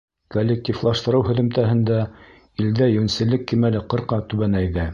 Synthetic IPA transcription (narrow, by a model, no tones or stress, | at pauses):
kolʲːek̚t̪ʲiflˠɑʃt̪ɤ̆ɾɤwhɵ̆ðɵ̆mt̪æɦɘ̆nd̪æ | ild̪æjɵ̆nsɘ̆lːɘkːimælɘqɤ̆ɾqɑt̪ʉβænæjðæ